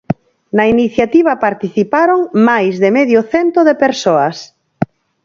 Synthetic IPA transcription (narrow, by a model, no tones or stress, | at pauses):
nɐiniθjat̪iβ̞ɐpaɾt̪iθipaɾoŋmajzðemeðjoθent̪oðepeɾsoɐs